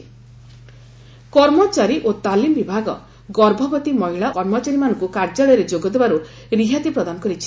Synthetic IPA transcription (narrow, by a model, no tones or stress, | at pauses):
kɔɾmɔt͡ʃaɾiʔot̪alimbibʱaɡɔ̰ | ɡɔɾbʱɔbɔt̪imɔɦiɭaɔɾmɔt͡ʃaɾimanɔŋkukaɾd͡ʒaɭɔjɔɾed͡ʒoɡɔd̪ebaɾu | ɾiɦat̪ipɾɔd̪anɔkɔɾit͡ʃʰi̥